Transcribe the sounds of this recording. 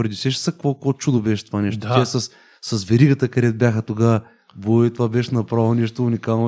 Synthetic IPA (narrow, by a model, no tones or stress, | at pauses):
ɾɐd̪isɛʃɛ̥sakkvokvot͡ʃud̪obɛʃɛ̥t̪ovanɛʃt̪oiasɐsː | ɐsvɛɾiɡət̪əkɐɾɛt̪̚bʲjaxət̪oɡa | bot̪ovabɛʃnɐpɾavˠnɛʃt̪oʊnʲikalˠno